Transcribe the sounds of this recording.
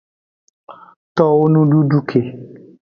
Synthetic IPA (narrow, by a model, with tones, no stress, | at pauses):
t̪ɔ˦wo˦nũ˦ɖu˦ɖu˦kʰe˨